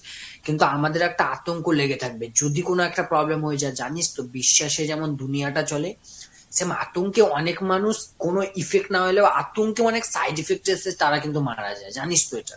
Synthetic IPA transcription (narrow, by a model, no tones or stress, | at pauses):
kint̪uamad̪eɾɛk̚ʈaat̪oŋkoleɡet̪ʰak̚bed͡ʑod̪ʱikonoɛk̚ʈapɾɔblemɦoed͡ʑaed͡ʑanist̪obiʃːaʃed͡ʑɛmond̪unijaʈat͡ɕɔle | sema̰t̪oŋkeɔnekmanuʃkonoʔifekʈnaɦojlebaʔa̰t̪oŋkeɔneksajɖifek̚ʈeset̪aɾakint̪̬umaɽa̰d͡ʑaed͡ʑanist̪oeʈa̰